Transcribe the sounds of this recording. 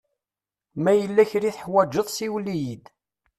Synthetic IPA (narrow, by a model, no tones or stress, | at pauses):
mæjəlːæçɾiθəħwæd͡ʒːəðˤsiwlijid̪